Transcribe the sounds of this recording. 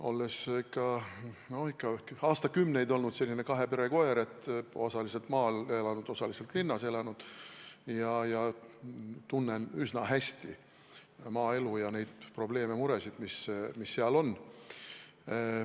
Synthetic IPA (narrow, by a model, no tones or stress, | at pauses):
o̞̰lːesikːɑno̞hikːɑkɑːst̪ɑkymnejd̪o̞lnud̪se̞lːinekɑɦe̞pe̞ɾe̞ko̞eɾe̞t̪ːˑo̞sɑlise̞lt̪mɑːle̞lɑnud̪̥o̞sɑlise̞lt̪linːɑse̞lɑnud̪̥jɑjɑ | t̪unːenysnɑɦæsʲt̪i | mɑːe̞lujɑne̞jd̪̥̚pro̞ble̞ːme̞muɾe̞sid̪mismisːeɑlo̞nː